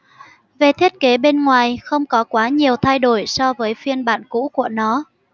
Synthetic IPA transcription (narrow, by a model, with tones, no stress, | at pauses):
ve˨˩t̪ʰi˦˥ət̚ke˨˦ɓe˧nŋwaː˨˩jxə˧wŋ͡mkɔ˨˦kwaː˨˦ɲi˨˩əwt̪ʰa˧jɗo˧˩jsɔ˧vəː˨˦jfi˧ənɓa̰ː˧˨nkṵ˧˥ku˧˩ənɔ˨˦